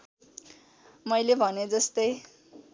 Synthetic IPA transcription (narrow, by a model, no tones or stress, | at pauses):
mʌjlebʱʌned͡zʌst̪ʌj